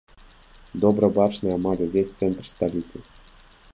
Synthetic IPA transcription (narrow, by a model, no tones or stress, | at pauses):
d̪obɾəbɑʂnɨjɑmɑɡ̪ʲɤvʲesʲt̪sɛnt̪rst̪alʲit̪sɨ